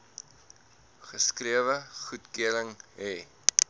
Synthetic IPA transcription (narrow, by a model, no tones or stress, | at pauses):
χəskriəvəχutkiələŋɛː